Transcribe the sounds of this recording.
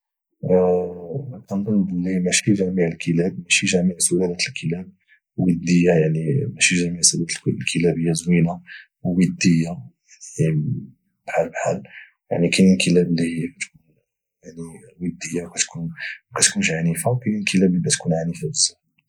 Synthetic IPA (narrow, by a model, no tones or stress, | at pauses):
t̪ənd̪ˤəlbəlːimæʃiʒæmiʕəlkʰəlæbmæʃiʒæmiʕsulælæt̪əlkʰəlæb̚ | wəd̪ːəjːajaʕnimæʃiʒæmiʕsulæt̪llkʰəlæbəjːæzwina | wwəd̪ːəjːa | i | bħalbħal | jaʕnikininkəlæblːihəjːkæt̪kun | jaʕniwəd̪ːəjːawkæt̪kʰunkæt̪kunʃʕanifawkininkʰəlæblibæt̪kunʕanifabəzəħ